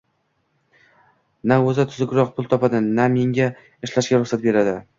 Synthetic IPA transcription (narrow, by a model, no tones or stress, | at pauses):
naɵzɪt̪ʰʊzʊɪkʲɾɒq̚pʰʊlˠt̪ʰɒpad̪ɪnameŋɡʲa | ɪʃlaʃɡʲaɾʊχsat̪̚be̞ɾad̪ɪ